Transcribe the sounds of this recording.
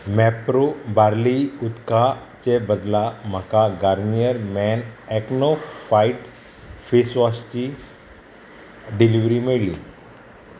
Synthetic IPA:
mɛpɾobaɾliut̪kat͡ɕebəd̪lam̤akaɡaɾnijəɾmɛnɛknofaiʈ | fisʋast͡ɕi | ɖiliʋɾimeɭlḭ

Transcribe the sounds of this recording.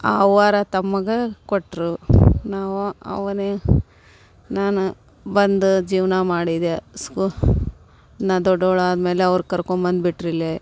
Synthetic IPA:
aːʋaːɾɐt̪ɐmːɐɡekoʈːɾunaːʋuɐ̰ʋɐne | naːnu | bɐnd̪ud͡ʒiːʋnɐmaːɽid̪esku | nɐd̪ɔɖːoɭaːd̪me̞ːleɐʋɐɾkɐɾkoɳbɐnd̪biʈɾile

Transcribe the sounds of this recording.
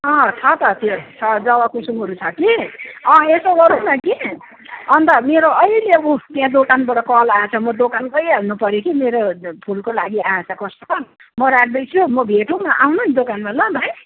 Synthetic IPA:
ʌ̃t͡sʰʌt̪ʌt̪et͡sʰʌd͡zʌwakusuŋʌɾut͡sʰʌkiʌ̃esoɡʌɾunʌki | ʌnt̪ʌmeɾoʔʌileʌbut̪jãd̪okanbʌɽʌkʌlat͡sʰʌmʌd̪okankʌjanupʌɾjokimeɾopʰulkolaɡiat͡sʰʌkʌst̪ot̪ʌ | mʌɾaɡ̚d̪ʌjt͡sʰumʌbʱeʈumaʔawnʌnd̪okanbʱʌlʌb̪ʱʌj

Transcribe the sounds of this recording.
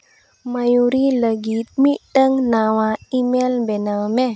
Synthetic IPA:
majuɾiləɡit̪̚miʔtəŋnawaimelbenamɛ

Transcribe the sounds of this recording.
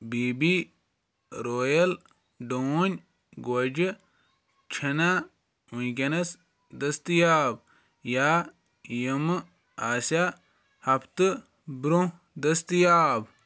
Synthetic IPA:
biːbi | ɾoːjɐl | ɖoːnʲ | ɡod͡ʒɨ | t͡ʃʰina | unkʲɐnɐs | d̪ɐst̪ɨjaːb | jaː | jim | aːsa | hɐpʰt̪ɨ | bɾõ | d̪ɐst̪ɨjaːb

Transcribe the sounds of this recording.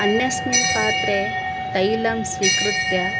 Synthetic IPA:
ɐnjɐsnipaːt̪ɾe | t̪ɐjlɐmsikɾut̪ja

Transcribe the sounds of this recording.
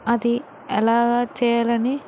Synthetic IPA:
ɐd̪i | ɛlaːɡaːt͡ʃɛːjalɐni

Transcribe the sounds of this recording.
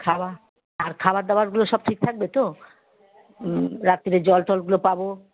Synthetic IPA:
kʰaba | aɾkʰabaɾd̪abaɾɡuloʃɔb̚ʈʰik̚t̪ʰak̚bet̪o | ɾat̪ːiɾed͡ʑɔlt̪ɔlɡulopabo

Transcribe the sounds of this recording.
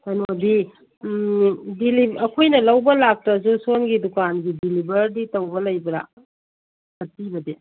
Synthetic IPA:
tɐnodi | dilibɐkʰojnɐlɐwbɐlak̚tɐzusonɡidukanɡidilibɐɾditɐwbɐlɐjbɐɾa̰ | hɐtːibɐdi

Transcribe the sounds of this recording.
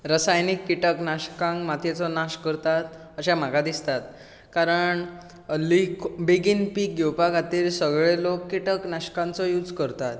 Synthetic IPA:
ɾəsajnikːiʈəknaɕkãŋɡmat̪ʰjet͡sɔnaɕkəɾt̪at̪ | əɕam̤akad̪ist̪at̪̚ | kaɾəɳ | likbiɡinpiːk̚ɡewpaɡat̪iːlsəɡɭelokːiʈəknaɕkãnt͡sɔjud͡zkəɾt̪at̪

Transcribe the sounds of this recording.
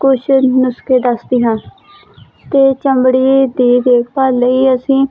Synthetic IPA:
kʊʃnʊskeːd̪əsd̪iːɦãː | t̪eːt͡ʃəmbɽiːd̪iːd̪eːkʰpəɾləiːəsĩː

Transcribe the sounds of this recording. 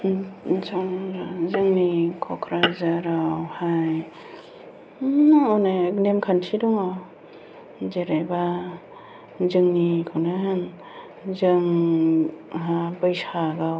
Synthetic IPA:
zaŋɾazɯŋnikʰɔkʰɾazaɾawhaj | ɔwnaknemkʰantʰidɔŋaw | zeɾeba | zɯŋnikʰɯwnaɦɯn | zɯŋ | ɦabɯjsaɡaw

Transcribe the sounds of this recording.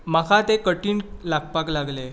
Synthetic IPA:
makʰat̪ekəʈiːɳlaɡpaklaɡle

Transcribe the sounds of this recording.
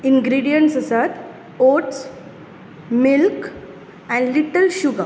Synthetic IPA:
inɡɾiɖijəɳʈsəsat̪ | oʈs | milk | ɛ̃ɳliʈəlɕuɡa

